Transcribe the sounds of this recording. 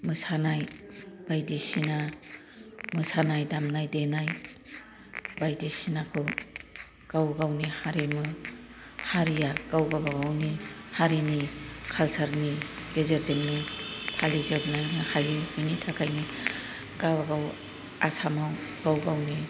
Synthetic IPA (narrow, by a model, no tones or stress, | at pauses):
mɯsanajb̥ajdisina | mɯsanajdamnajdenaj | bajdisinakʰɯ | ɡ̥awɡawnihaɾimɯ | haɾijaɡ̥awɡawbaɡawnihaɾinikʰalsaɾniɡ̥ezeɾzeŋnipʰalizɯbnanahajɯinitʰakʰajni | ɡ̥abɡaw | asamawɡ̥awɡawni